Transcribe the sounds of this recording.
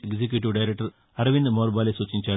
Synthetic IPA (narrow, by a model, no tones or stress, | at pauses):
eɡsek̬juːʈ̬iʋɖɐjɾɛk̚ʈɐɾ | ɐɾɐʋind̪moːɾbaːlesut͡ʃːiɲʲt͡ʃaː